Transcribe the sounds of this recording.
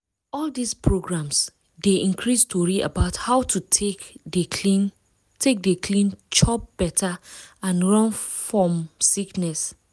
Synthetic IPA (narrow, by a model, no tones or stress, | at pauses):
ɔldispʰɹoɡɹãms | deʔĩnkʰɹistʰoɹia̰baʊthaʊtʰu | ein | tʰek̚dekʰlĩnt͡ʃɔp̚b̥ɛtʰaãnɹɔ̃nfɹɔ̃msiknɛs